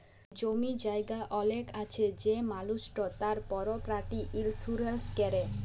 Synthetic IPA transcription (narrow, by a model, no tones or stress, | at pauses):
d͡ʑomid͡ʑajɡaʔɔlekat͡ɕʰed͡ʑemalusʈɔt̪aɾpɔɾopɾaʈiʔilsuɾelskɛɾe